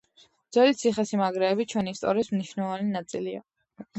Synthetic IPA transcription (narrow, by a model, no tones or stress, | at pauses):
d̪z̥wɛlit̪sʰiχɛsimaɡɾɛːbit͡ʃʰwɛniːst̪ʼɔ̰ɾiːsmniʃnɛlˠɔvaninat̪sʼilia̰